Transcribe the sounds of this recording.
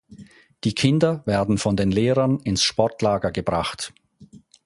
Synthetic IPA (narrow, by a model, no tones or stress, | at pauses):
d̥iːkʰɪndɐvɛːɐdn̩fɔndeːnleːʁɐnɪnsʃpɔɐtlaːɡɐɡəbʁaχt